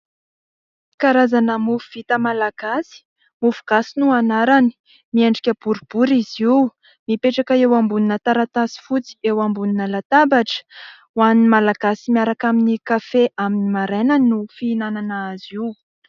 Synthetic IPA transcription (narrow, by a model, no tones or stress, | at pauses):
kaɾazanəmufuv̥it̪əmalaɡ̥asi̥ | mufu̥ɡ̥asinuanaɾani̥ | miaɳɖ͡ʐikʲəb̥uɾub̥uɾiziw | mipeʈ͡ʂakəewambuninət̪aɾat̪asi̥fut͡si̥ewambuninəlat̪abaʈ͡ʂə̥ | wanimalaɡ̥asimiaɾakaminikafeʔaminimaɾenannufiːnananaaziw